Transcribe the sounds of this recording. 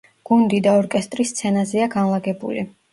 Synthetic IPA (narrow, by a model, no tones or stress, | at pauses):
ɡ̥und̪id̪aɔɾkʼɛst̪ʼɾist̪sʰɛnazɛaɡanlˠaɡɛbṵlḭ